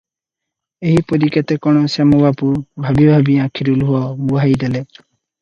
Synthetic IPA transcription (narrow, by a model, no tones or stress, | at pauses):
eɦipɔɾikat̪ekɔɽ̃ɔsemɔbapubʱabibʱabiãkʰiɾuluɦuɔbuɦajd̪ele